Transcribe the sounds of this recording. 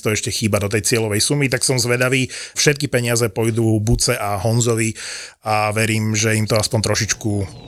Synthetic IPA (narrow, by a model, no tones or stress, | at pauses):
t̪ɔɛʃcɛxiːbad̪ɔt̪̬ɛjt͡sɪɛlɔʋɛjsumit̪aksɔmzʋɛd̪aʋiːfʃɛt̪̚kipɛɲɪazɛpɔjd̪uːbut͡sɛʔaɦɔnzɔʋi | aʋɛɾiːmʒɛimt̪ɔaspɔɲt̪ɾɔʃit͡ʃku